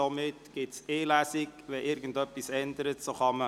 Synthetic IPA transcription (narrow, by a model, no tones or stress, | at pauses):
omɪtɡ̥ɪtseːlæsiɡʋɛʔɪɾɡən̩dœpːisɛndəɾətsoχɑmə